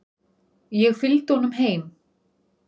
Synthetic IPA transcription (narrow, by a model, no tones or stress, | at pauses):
jɛɣfɪlt̪hɔnʏmɦeːjm